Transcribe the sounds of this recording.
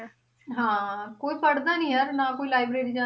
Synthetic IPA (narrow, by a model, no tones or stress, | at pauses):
ɦãːkoːiːpʰəɽd̪aːnĩːɦəɾnãːkoːiːlaːɪbɾeːɾiːd͡ʒãː